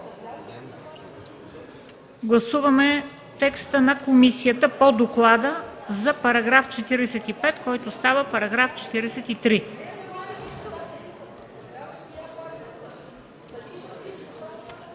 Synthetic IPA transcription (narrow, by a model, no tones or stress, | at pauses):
ɡlˠɐsuvəmɛ | t̪ɛkst̪ənɐkomisijət̪əpod̪oklˠad̪əzɐpɐɾɐɡɾaft͡ʃɛt̪iɾɛsɛt̪ipɛt̪kɔjt̪ost̪avəpɐɾɐɡɾaft͡ʃɛ̥t̪iɾɛsɛt̪it̪ɾi